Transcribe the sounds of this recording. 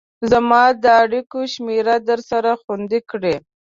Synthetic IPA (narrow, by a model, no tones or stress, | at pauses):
zamɑd̪əaɽikoʃmeɾad̪əɾsaɾaxand̪ikɽe